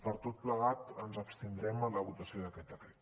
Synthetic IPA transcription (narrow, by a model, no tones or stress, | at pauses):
pəɾt̪ot̪̚pləɣat̪ənzəpst̪ind̪ɾɛmələβut̪əsioðəkɛt̪əkɾe